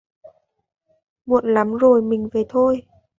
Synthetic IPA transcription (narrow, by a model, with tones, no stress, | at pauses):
mṵ˧˨ənla˨˦mzo˨˩jmï˨˩ŋ̟ve˨˩t̪ʰo˧j